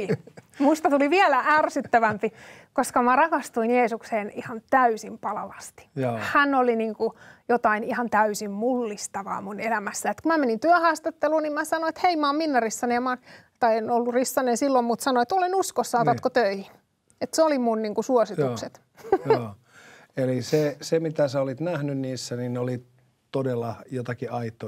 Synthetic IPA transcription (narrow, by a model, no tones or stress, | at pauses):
muist̪ɑt̪uliʋiælæʔærsyt̪ːæʋæmpikoskɑmærɑkɑst̪uinjeːsukseːnihɑnt̪æysimpɑlɑʋɑst̪i̥hænoliniŋkujot̪ɑinihɑnt̪æysimmulːist̪ɑʋɑ̰ːmunelæmæsːæet̪kumæmenint̪yæhɑːst̪ɑt̪ːeluːnimmæsɑnoet̪heimɑːmminːærisːɑnemɑːn | t̪ɑienolːurisːɑnensilːommut̪sɑnoet̪olenuskosːɑːt̪ɑkot̪øihi | et̪seolimunniːŋkusuosiukset̪ | oː | elisesemit̪æsæolit̪næhnynniːsːænineoli | t̪odelːɑjot̪ɑkiʔɑit̪ːo